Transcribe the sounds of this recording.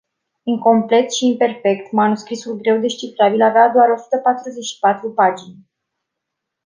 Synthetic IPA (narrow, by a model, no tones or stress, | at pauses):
iŋko̞mple̞t̪ʃiːmpe̞rfe̞kt̪manuskɾisulɡɾe̞wd̪e̞ʃt͡ʃifɾabilavead̪oaɾo̞su̥t̪əpat̪ɾuze̞ʃi̥pat̪ɾupad͡ʒinʲ